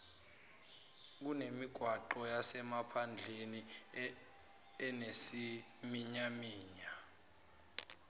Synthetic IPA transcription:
k̬unemiɡ̥ʱwaǃɔjasɛmapʰand͡ɮʱeni | ɛnesimiɲamiːɲa

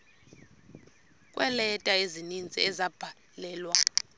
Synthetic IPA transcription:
kʼwʔɛlɛtʼaezinind͡zʱʼḭɛzab̥ʱa | lɛːlwa

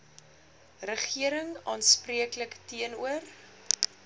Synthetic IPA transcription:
rəχiəɾəŋɑːnspriəkləktiənuər

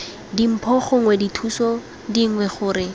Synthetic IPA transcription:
dim̩pʰɔχʊŋwɛditʰusɔ | diŋ̩wɛχʊːɾɪ

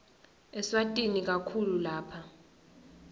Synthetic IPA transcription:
ɛswatʼinik̬akʰululaːpʰa

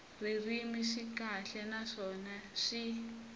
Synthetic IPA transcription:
ririmiʂikaɬɛnaʂɔnaʂi

